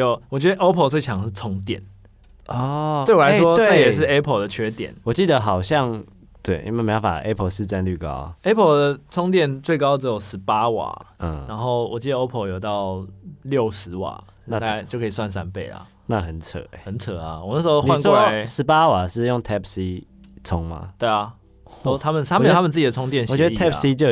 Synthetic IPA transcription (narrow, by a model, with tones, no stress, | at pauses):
jo˨˩ʊwɔ˨˩t͡ɕɥɛ˧˥d̪ə˧ʔo˥pʰə˨˩t͡swe˥˩ɪt͡ɕʰɑ˧˥ŋʂɻ̩˥˩t͡sʰɔ˥ŋt̪jɛ̰˥˩n | ɔ˥˩we˥˩wla˧ɪswɔ˦tə˥˨jɛ˨˩ʂ̬ɻ̩˥˩e˦˥pʰə˨ld̪ə˨t͡ɕʰɥɛ˥t̪jɛ̰˨˦nwɔ˨˩t͡ɕi˥˩d̪ə˦xɑ˨˩ʊɕjɑ˥˨ŋ | t̪we˥˩ɪḭ˥ma˥˩me˧jo˧˥˩fa̰˨˩ʔe˦˥pʰə˨˧˨ʂɻ̩˥˧ʈ͡ʂa˥˧˨nly˥˩kɑ̰˦ʊe˥pʰə˨˩d̪ə˨t͡sʰɔ˥ŋt̪̬jɛ˥˩nt͡swe˥˩ɪkɑ˥ʊʈ͡ʂ̩˧jo˨˩ʊʂɻ̩˧˥pa˦wa̰˨˩ə˥˩a˧˥nxo˥˩ʊwɔ˨˩t͡ɕi˥˩d̪ə˧o˥ʊpʰə˨˩jo˨˩ʊt̪ɑ˥˨ʊljo˥˨ʊʂɻ̩˧˦wa̰˨˩˧ | na˥˧t̪a˥a˥˧t͡ɕjʊkʰə˧˥i˨˩swa˥˩ns̬a˦npe˥˩ɪla̰˩ | na˥˨xə˨˩nt͡sʰə̰˨˩˦e˧˦hə˨˦nt͡sʰə˨˩a˨˦wɔ˨˩n˥˩ʂ̩ɻ̩˧o˧˥˧niwʂɔa˦˥ʂɻ̩˧˦pa˦wa˨˩ʂɻ̩˥˧jʊ˥˨ŋt̪ʰɛ˥p̚ʰsi˦ | t͡sʰʊ˦˥ŋma̰˨t̪we˥˩ɪɐ˨˩ | o˥t̪ʰa˥mə˨nʰa˥mə˨˩a˥mə˨t͡s̩ɨ˥t͡ɕi˨d̪ə˩ʊ˥ŋt̪jɛ˥˧˨nɕwɥɛ˧˥dət̪ʰɛ˥psi˦t͡ɕjo˥˧